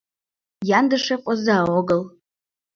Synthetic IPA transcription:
jandɨʂaqʷʼazaːwaɡəl

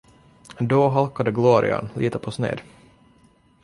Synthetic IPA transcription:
d̪ɔɦalkad̪əɡloːɾɪ̰a̰nlʔiːt̪əpʰɔsnḛːd̪

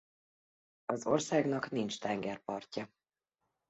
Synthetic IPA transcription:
ɒzo̞rsaːɡnɒknint͡ʃt̪ɛŋɡɛrpɒrcɒ

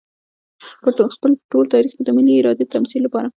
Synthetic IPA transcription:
pəxpəlʈolt̪ɑɾixked̪əmiliɪɾɑd̪et̪amsilːapɑɾa

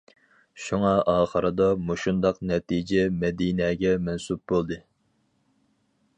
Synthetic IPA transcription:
ʃuŋɑʔɑːχəɾɨd̪ɑmoʃund̪ɑqnɛt̪ʰid͡ʒɛmɛd̪inɛːɡʲɛmɛnsup̚bolˠd̪ɨ

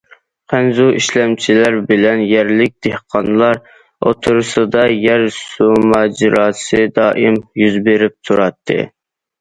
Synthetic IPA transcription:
qʰænzuiʃlɛmt͡ʃʰilæɾbɪlɛnjæɾlɪk̚ʲd̪̥ehqʰɑnlˠɑɾ | o̰t̪ʰuɾsɨd̪ɑjæɾsumɑːd͡ʒɪɾɑːsɨd̪ɑːʔimjyzbeɾɪp̚t̪ʰuɾɑt̪ʰːɨ̰

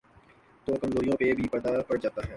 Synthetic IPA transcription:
t̪oːkɐmzoːɾijõpebʱipɛd̪apɐɾd͡ʒaːt̪aɦɛː

